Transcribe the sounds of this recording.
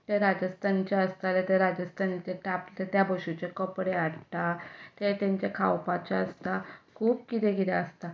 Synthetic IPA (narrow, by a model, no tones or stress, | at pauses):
t̪eɾad͡ʑəst̪ʰant͡ɕaəst̪alet̪eɾad͡ʑəst̪ʰant͡ɕeʈaplt̪et̪jabʱəɕut͡ɕekəpɽeaɽt̪at̪et̪jãɲt͡ɕakʰawpat͡ɕaəst̪akʰuːb̚kit̪ẽkit̪eəst̪a